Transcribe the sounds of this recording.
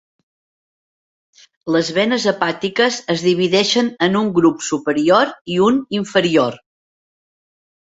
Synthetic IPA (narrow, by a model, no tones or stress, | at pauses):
ləzβɛnəzəpat̪ikəzəzðiβ̞iðɛʃənənuŋɡɾupsupəɾioɾiuniɱfəɾioɾ